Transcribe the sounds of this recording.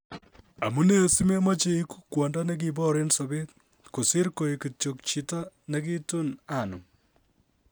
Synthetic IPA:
a˨mu˦ne˦o˨si˦me˦mɔ˦t͡ʃe˦i˦ku̥˦kwɔ˨nda˦ne˦k̬ibɔ˦ɾe˦nso˨be˦t | ku˨sɪ˦ɾko˨i˨ki˨t͡ʃo˨k̚t͡ʃi˨ta˦ne˦ki˦tu˦na˨nʊ̰˨m

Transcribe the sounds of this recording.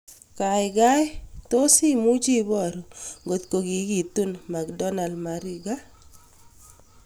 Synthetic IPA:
ka˨ɪ˨ɡa˦jt̪o˦si˦mu˦d͡ʒi˦bɔ˦˨ɾŋɡo˨t̪̚ko˨ɡi˨˦ɡi˨t̪u˦nma˨kdɔ˦na˨ldma˨ɾi˨ɡa˦

